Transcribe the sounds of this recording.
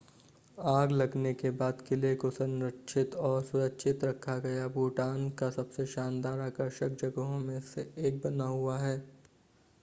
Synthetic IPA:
aːɡlɐɡnekebaːd̪kɪlekosɐ̃ŋɾəkʃɪt̪ɔːɾsʊɾəkʃʰɪt̪ɾɐkʰːaɡɐjabuːʈaːnkasɐbseʃaːnd̪aːɾaːkəɾʃək̚d͡ʒɐɡəɦõmẽseeːk̚bɐnaɦuaɦɛː

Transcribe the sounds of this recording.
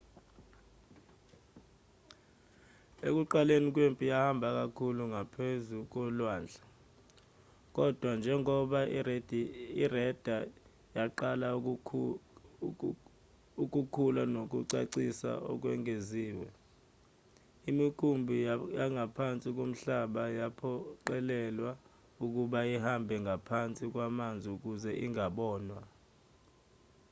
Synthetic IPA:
ek̬uǃalenik̬wempʼijahambʱak̬akʰuluŋapʰezuk̬ɔlwaːnd͡ɮʱa | k̬ʼɔd̥ʱwand͡ʒʱɛŋɔɓaidirɛd̥ʱa | jaǃala | uk̬ukʰulanok̬ṵǀaǀisa̰ɔ̰k̬wɛŋeziːwɛ | imikʰumbʱijaŋɡʱapʰant͡sʼik̬om̩ɬaɓajapʰɔǃɛlɛlwa | uk̬uɓaihambʱɛŋɡʱapʰant͡sʼik̬wamand͡zʱiuk̬uzɛʔiŋaɓɔːnwa

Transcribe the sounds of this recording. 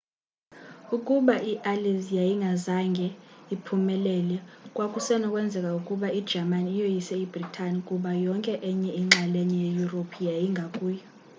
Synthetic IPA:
ukʼuɓaʔiʔalizijajiŋɡʱazaŋɡʱɛipʰumɛlɛlɛkʼwakʼusɛnɔkʼwɛnd͡zʱɛkʼaukʼuɓaid̥ʒ̥ʱamanijojisɛibritʰanikʼuɓajɔŋkʼɛʔɛɲɛiŋ͡ǁalɛɲɛjejuropʰijajiŋɡʱakʼuːjɔ

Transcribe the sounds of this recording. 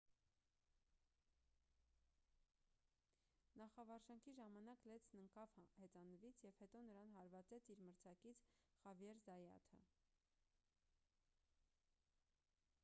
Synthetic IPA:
nɑχɑvɑɾʃɑŋkʰiʒɑmɑnɑklɛt͡sʰnəŋkɑvhɛt͡sɑnəvit͡sʰjɛvhɛt̪ɔnəɾɑnɦɑɾvɑt͡sɛt͡sʰiɾməɾt͡sʰɑkit͡sʰχɑvjɛɾzɑjɑ̰t̪ʰə

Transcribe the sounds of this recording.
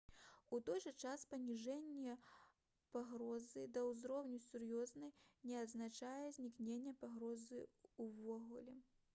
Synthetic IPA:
ut̪ɔjʐɨt͡ʂaspɐnʲiʐɛnʲːɛ | paɣɾɔzɨd̪ɐwzɾɔwnʲusʲurjɔznɐjnʲɛɐd̪znat͡ʂajɛzʲnʲiknʲenʲːɛpaɣɾɔzɨuvɔɣulʲɛ

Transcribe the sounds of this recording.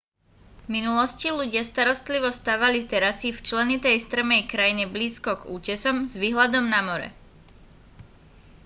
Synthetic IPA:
minulɔsciluɟɪast̪aɾɔst̪liʋɔst̪aːʋalit̪ɛɾasift͡ʃlɛnit̪ɛjst̪ɾ̩mɛjkɾajiɲɛbliːskɔɡṵːcɛsɔmzʋiːɦlad̪ɔmnamɔɾɛ̰

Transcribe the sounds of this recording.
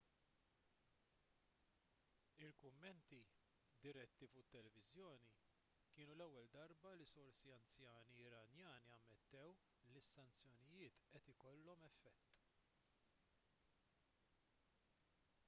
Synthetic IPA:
ɪlkʊmːɛnt̪i | d̪ɪɾɛt̪ːifʊt̪ːɛlɛvɪzjɔːni | kɪːnulɛwːɛld̪ɐɾbɐlisɔɾsiɐnt͡sjɐːniɪɾɐnjɐːniɐmːɛt̪ːɛw | lisːɐnt͡sjɔnɪjɪːt̪ʔɛt̪ɪkɔlːɔmɛfːɛt̪ː

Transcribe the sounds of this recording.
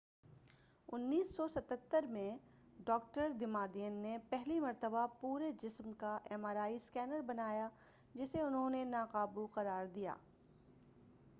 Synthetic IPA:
ʊnːiːsːɔsɐt̪ət̪ːəɾmẽ | ɖɔːk̚ʈəɾd̪ɪmaːd̪ijənːepɛɦlimɐɾt̪əbapuːɾed͡ʒɪsmkaʔɛːmaːɾaːiskɛːnəɾbɐnaːja | d͡ʒɪseʊnɦõnenaːqaːbuqɐɾaːɾd̪ija̰ː

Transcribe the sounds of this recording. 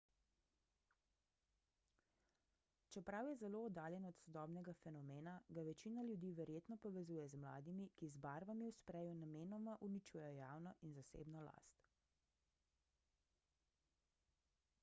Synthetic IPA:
t͡ʃɛpɾawjɛzɛloːd̪aːljɛnɔt̪sɔd̪ɔːbnɛɡafɛnɔmeːnaɡaʋɛt͡ʃiːnaljud̪iːʋɛɾjeːt̪nɔpɔʋɛzuːjɛzmla̰ːd̪imikizbaːɾʋamiwspɾɛjunameːnɔmaʔunit͡ʃuːjɛjɔjaːwnɔʔinzasḛːbnɔla̰st̪

